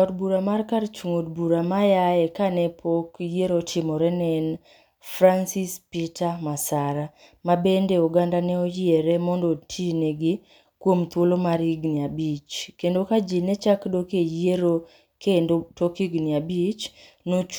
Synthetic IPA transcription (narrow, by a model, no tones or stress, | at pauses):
ɔd̚buɾamarkaɾt͡ʃuŋod̚buɾamajajɛkanɛpʰokjeɾotʰɪmɔɾɛnɛn | fɾansispitamasaɾa | mabendeoɡandanɛojieɾɛmɔndɔtʰineɡi | kwomt̪wolomaɾiɡniabit͡ʃkendokad͡ʒinɛt͡ʃakdokejeɾo | kendotokiɡnɪabit͡ʃ | not͡ʃ